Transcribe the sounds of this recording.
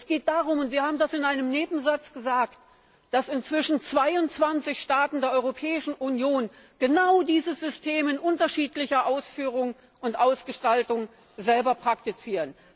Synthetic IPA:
ʔɛsɡ̥eːt̚d̥aːʁʊmʊntz̥iːhaːbm̩dasɪnʔaɪnəmneːbm̩zat͡sɡ̥əzaːkt | d̥asɪnt͡sv̥ɪʃn̩t͡sv̥aɪʊntt͡sv̥ant͡sɪçʃtaːtn̩deːɐʔɔʏʁopʰɛːɪʃn̩ʔunjoːn | ɡ̥ənaʊdiːzəz̥ʏstʰeːmɪnʔʊntɐʃiːtlɪçɐʔaʊsfyːʁ̞ʊŋ | ʔʊntʔaʊsɡ̥əʃtaltʊŋ | zɛlbɐpʁ̥ak̚tit͡siːʁən

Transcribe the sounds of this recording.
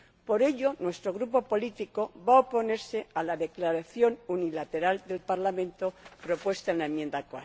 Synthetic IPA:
po̞ɾe̞ʎo̞nwe̞st̪ɾo̞ɣɾupo̞po̞lit̪iko̞βaopo̞ne̞ɾse̞alaðe̞klaɾaθjo̞nunilat̪e̞ɾald̪e̞lpaɾlamẽ̞nt̪opɾo̞pwe̞st̪aenlaemjẽnd̪akwa

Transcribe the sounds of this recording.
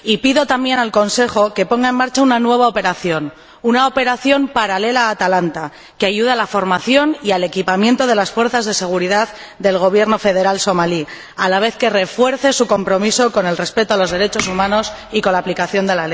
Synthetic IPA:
ipiðo̞t̪ambje̞nalko̞nse̞xo̞ke̞po̞ŋɡaenmaɾt͡ʃaunanwe̞β̞aope̞ɾaθjo̞n | unao̞pe̞ɾaθjo̞mpaɾale̞laːt̪alant̪a | keaʝuðalafo̞ɾmaθjo̞niale̞kipamjẽ̞nt̪o̞ð̞e̞lasfwe̞ɾθazðe̞se̞ɣ̞uɾiðað | ðe̞lɣ̞o̞β̞je̞ɾno̞fe̞ð̞e̞ɾalso̞mali | alaβ̞e̞θke̞re̞fwe̞ɾθe̞suko̞mpɾo̞miso̞ko̞ne̞lre̞spe̞t̪oalo̞zðe̞ɾe̞t͡ʃo̞sumãno̞s | iko̞nlaːplikaθjo̞nd̪e̞lale

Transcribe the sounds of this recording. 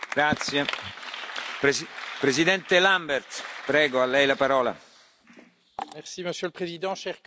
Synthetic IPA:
ɡɾat̪sje | pɾezid̪ɛnt̪elambɛrt̪pɾɛːɡoalːɛjlapaɾɔːla̰ | mɛʁsiməsjøləpχezid̪ɑ̃ʃɛʁ

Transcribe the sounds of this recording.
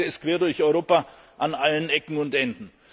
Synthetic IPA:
əɪstkv̥eːɐdʊɐçɔʏʁoːpa | ʔanʔalənʔɛkŋ̩ʊntʔɛndn̩

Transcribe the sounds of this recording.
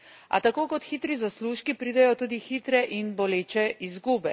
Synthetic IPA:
a̰t̪akoːkɔt̪xit̪ɾizasluʃkipɾiːd̪ɛjɔt̪uːd̪ixit̪ɾɛʔinbɔleːt͡ʃɛizɡuːbɛ

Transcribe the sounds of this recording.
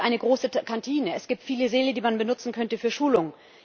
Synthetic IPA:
ʔaɪnəɡʁoːsəkʰantʰiːnəɛsɡ̥iːp̚tfiːləzeːlədiːmanbənʊt͡sn̩kʰœntəfyːɐʃuːlʊŋ

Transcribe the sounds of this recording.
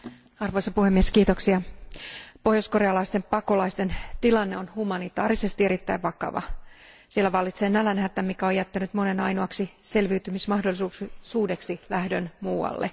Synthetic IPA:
ɑrʋo̞ijsɑpuhemːieskiːt̪o̞ksiɑ | po̞hjosko̞reɑlɑist̪empɑko̞lɑist̪e̞nt̪ilɑnːe̞onhumɑnit̪ɑ̰ːɾise̞st̪ie̞ɾit̪ːæiʋʋɑkɑ̰ʋɑ̰ | sielːæʋɑlːit̪seːnælænhæːt̪ːæmikæojjæt̪ːænyt̪mo̞ne̞nɑjnoɑksise̞lʋiːt̪ymismɑhdo̞lːˑisuːksuːde̞ksilæhdønmuːɑ̰lːḛ

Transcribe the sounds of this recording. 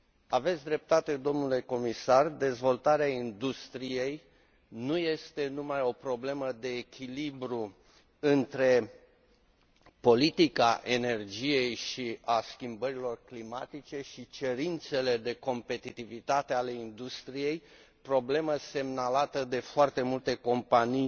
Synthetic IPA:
ave̞t̪sʲd̪ɾe̞p̚t̪at̪e̞d̪o̞mnule̞ko̞misard̪e̞zvo̞lt̪aɾeaind̪ust̪ɾije̞j | nuje̞st̪e̞numajo̞pɾo̞ble̞məd̪e̞ːkʲʰilibɾu | ɨnt̪ɾe̞ | po̞lit̪ikaʔe̞ne̞rd͡ʒije̞jʃiaskʲimbəɾilo̞rklimat̪it͡ʃe̞ʃit͡ʃe̞ɾint̪se̞le̞d̪e̞ko̞mpe̞t̪it̪ivit̪at̪e̞ale̞ind̪ust̪ɾije̞j | pɾo̞ble̞məse̞mnalat̪əd̪e̞foart̪e̞mult̪e̞ko̞mpanij

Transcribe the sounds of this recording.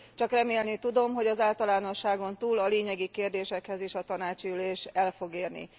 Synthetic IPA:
t͡ʃɒkrɛmeːlnit̪ud̪o̞mɦo̞ɟɒzaːlt̪ɒlaːno̞ʃːaːɡo̞nt̪uːlɒleːɲɛɡikeːrd̪eːʃɛkhɛzeːʃɒt̪ɒnaːt͡ʃiyleːʃɛlfo̞ɡeːrnḭ

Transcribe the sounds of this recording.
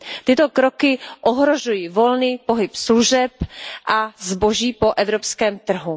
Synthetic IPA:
t̪ɪt̪o̞kɾo̞kɪʔoɦɾo̞ʒujivo̞lniːpo̞ɦɪpsluʒɛpʔazbo̞ʒiːpo̞ʔɛvɾopskɛːmt̪r̩ɦu

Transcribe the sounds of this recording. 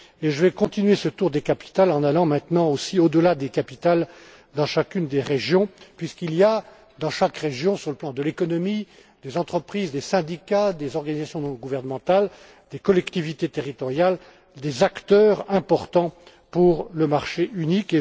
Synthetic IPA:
eʒəvɛkɔ̃t̪inɥesət̪uʁd̪ekapi̥t̪alɑ̃nalɑ̃mɛ̃t̪nɑ̃osiod̪əlad̪ekapit̪al | d̪ɑ̃ʃakʲynd̪eʁeʒjɔ̃pɥiskilija | d̪ɑ̃ʃakʁeʒjɔ̃syʁləplɑ̃d̪əlekɔnɔmi | d̪̥ezɑ̃t̪χəpχizd̪esɛ̃d̪ikad̪ezɔʁɡanizasjɔ̃nɔ̃ɡuvɛʁnəmɑ̃t̪al | d̪̥ekɔlɛkt̪ivit̪et̪eʁit̪ɔʁjal | d̪ezakt̪œʁɛ̃pɔʁt̪ɑ̃ | puʁləmaʁʃeynike

